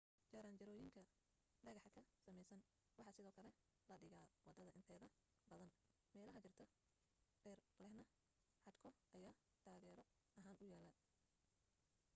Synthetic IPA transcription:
t͡ʃɐɾaːnt͡ʃɐɾɔːjɪŋkʰɐ | ɖɐɣɑħkʰɐsɐmɛjsɐn | wɑħɑːsɪðɔːkʰɐlɛ | lɐɖɪɣaːwɑd̪ːɐðɐʔɪnt̪ʰɛːðɐ | bɐðɐn | mɛːlɐɦɐt͡ʃɪrt̪ʰɐ | ɖɛːrbɐhnɐ | ħɑd̪kʰɔʔɐjaː | t̪ʰaːɣɛːɾɔ | ɐɦaːnʊjaːlɐ

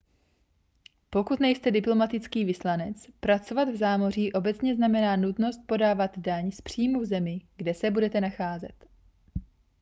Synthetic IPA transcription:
po̞kut̪nɛjst̪ɛdɪplo̞mat̪ɪt͡skiːvɪslanɛt͡spɾat͡so̞vad̪vzaːmo̞r̝iːʔo̞bɛt͡sɲɛznamɛnaːnut̪no̞st̪̚po̞daːvad̪daɲspr̝̥iːmuvzɛmɪɡdɛsɛbudɛt̪ɛnaxaːzɛ̰t̪

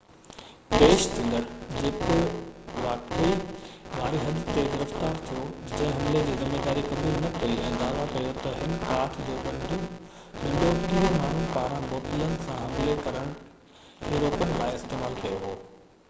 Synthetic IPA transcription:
peːʃt̪ʰĩnd̪əɽ̃d͡ʑeːkoʊʋaːkeiʋʱaːɾiɦɐd̪t̪eɡɪɾəft̪aːɾt̪ʰijod͡ʑɐ̃ɦɪ̃ɦɐmled͡ʑiːzɪmːeːd̪aːɾikɐbuːlnɐkɐiʔɛ̃ːd̪aːʋakɐjot̪ɐɦɪnkaːʈʰd͡ʑoːɗɐ̃ɖ | ɗɐ̃ɳɖʱokiːɦomaːɳ̤unɪ̆paːɾãmoːt̪ɪlənɪ̆sãɦɐmlekɐɾəɽ̃ʊ | heːɾoːkənɪ̆laːɪɪst̪eːmaːlkɐjoɦoː

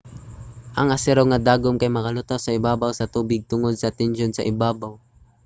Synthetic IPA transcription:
ʔɐŋɐsɛɾoŋɐd̪aːɡomkɐjmɐkɐlʊt̪awsɐɪbaːbawsɐt̪uːbɪɡ̚t̪ʊŋod̪̚sɐt̪ɛnʃonsɐ̰ʔɪbaːbaw

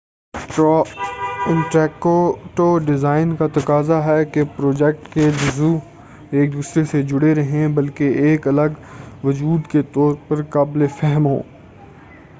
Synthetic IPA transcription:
ɔːɪ̃ɳʈɛːkoʈoːɖɪzaːɪnkat̪ɐkaːzaɦɛkepɾoːd͡ʒɛk̚ʈked͡ʒʊzu | eːk̚d̪uːsɾesed͡ʒʊɽeɾɐɦẽbɐlkeeːkɐləɡʋɐd͡ʒuːd̪ket̪ɔːɾpɐɾkaːblefɛɦəmɦo̰ː

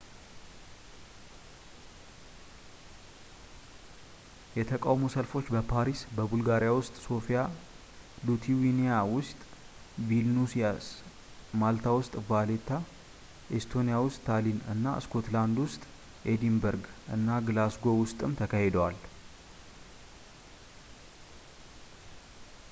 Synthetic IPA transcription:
jɛt̪ʰəkʼawmosəlfo̞t͡ʃːbəpʰaɾisbəbulɡaɾjawʊst̪ʼso̞fija | d̪ut̪ʰiwinijawʊst̪ʼ | vilnusias | malt̪ʰawʊst̪ʼvalet̪ʰa | ʔest̪ʰo̞nijawʊst̪ʼːʰalinɨ̰nːa̰ɨ̰skʰo̞t̪land̪wʊst̪ʼ | ʔed̪imbəɾɡʔɨnːaɡɨlasɡo̞wʊst̪ʼɨmt̪ʰəkʰahed̪əwal

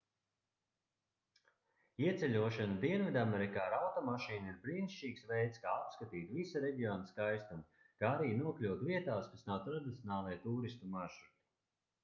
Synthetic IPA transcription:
iɛt̪sɛlʲuɔʃanad̪iɛnvid̪ameɾikaːɾawt̪ɔmaʃiːniɾbɾinʃt͡ʃiːksvɛjt̪skaːapskat̪iːt̪visaɾɛɟʲiɔːnaskajst̪an | kaːaɾiːnuɔklʲuwt̪viɛt̪aːskasnawt̪ɾad̪it̪sʲɔnaːlˠiɛt̪uːɾist̪umaʃɾut̪i̥

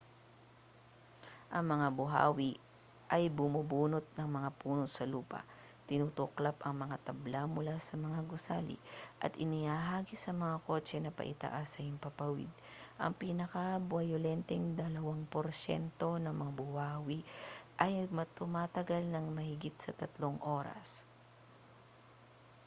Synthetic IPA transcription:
ʔɐŋmɐŋabʊɦa̰ːwɪ | ʔɐjbʊmubuːnot̪̚nɐŋmɐŋapuːnosɐluːpɐ̰ | t̪ɪnut̪ʊklapɐŋmɐŋat̪ɐblamʊlasɐmɐŋaɡʊsaːlɪ̰ʔɐ̰t̪ʔɪnɪhaːɦaːɡisɐmɐŋako̞ːt͡ʃɛnɐpɐ̰ʔɪ̰t̪ɐ̰ʔasɐɪmpɐpɐwɪ̰d̪̚ʔɐ̰ŋpiːnɐkɐbwɐjolɛnt̪ɛŋd̪ɐlɐwaŋpoɾʃɛ̰nt̪o̞nɐŋmɐŋabʊwaːwiʔɐjmɐt̪ʊmaːt̪ɐɡalnɐŋmɐhɪɡɪt̪̚sɐt̪ɐt̪loŋʔo̞ːɾɐ̰s

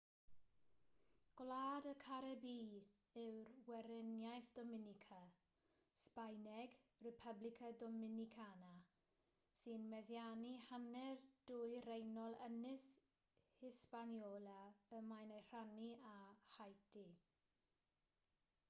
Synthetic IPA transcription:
ɡ̥laːdəkʰaɾɛbiː | ɪwrwɛɾɪnjajθd̥ɔmɪnɪkʰa | spajnɛɡrɛpʰəblɪkʰadɔmɪnikʰana | sɨnmɛðjanihanɛrd̥ʊːjɾejnɔlˠənɪs | hɪspanjɔːlaəmajnajr̥aniahajtʰi

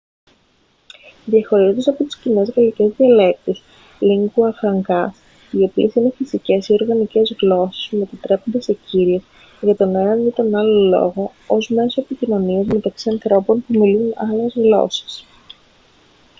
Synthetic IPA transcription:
ðiɐxo̞ɾiot̪esɐpo̞t̪i̥scine̞zɣɐlice̞zðiɐle̞k̚t̪es | liŋɡuɐfɾɐŋɡɐs | io̞pie̞sine̞fisice̞sio̞ɾɣɐnice̞zɣlo̞se̥sumet̪it̪ɾe̞po̞nd̪ese̞ciɾies | ʝɐt̪o̞ne̞nɐnit̪o̞nɐlo̞lo̞̰ɣo̞ozme̞so̞epicino̞niɐzme̞t̪ɐksiɐnθɾo̞po̞npumilunɐle̞zɣlo̞̰se̥s

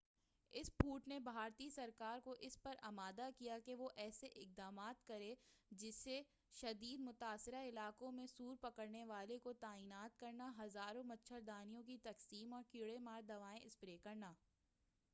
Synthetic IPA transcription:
ɪspuːʈnebʱaːɾt̪isɐɾkaːɾkoʔɪspɐɾɐmaːd̪akijakeʋoʔɛːseʔɪk̚d̪aːmaːt̪kɐɾẽd͡ʒɪsːe | ʃɐd̪iːd̪mʊt̪aːsɪɾaɪlaːkõmẽsuːɾpɐkəɾneʋaːlekot̪aːiːnaːt̪̚kɐɾnaɦɐzaːɾõmɐtːʃʰəɾd̪aːnijõk̬it̪ɐqsiːmɔːɾkɪɽemaːɾd̪ɐʋaːẽʔɪspɾeːkɐɾnaː

